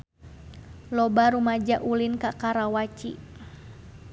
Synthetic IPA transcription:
lɔbaɾumad͡ʒaʔulinkakaɾawat͡ʃḭ

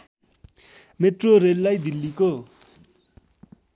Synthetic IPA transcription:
met̪roɾelːajd̪ilːiko

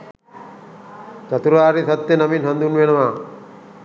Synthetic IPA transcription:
t͡ʃat̪uɾaːɾisɐt̪ːenaminɦand̪unʋenəʋaː

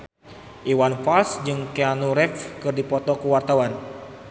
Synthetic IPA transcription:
ʔiwanfalsd͡ʒɨŋkeanuɾɛfkɨrdipɔt̪ɔkəwart̪awan

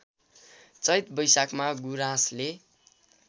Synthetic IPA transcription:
t͡sʌjt̪bʌjsakmaɡuɾasle

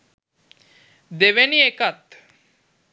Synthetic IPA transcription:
d̪eʋeniekat̪

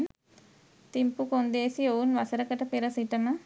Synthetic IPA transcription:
n | t̪impukond̪eːsiounʋɐsɐɾɐkɐʈɐpeɾɐsiʈɐmɐ

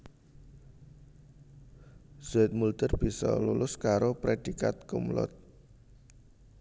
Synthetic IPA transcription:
z̥uɪt̪̚mult̪ərb̥i̤sɔ̰lulʊskaɾopɾed̥ikat̪̚kumlʊ̰t̪̚

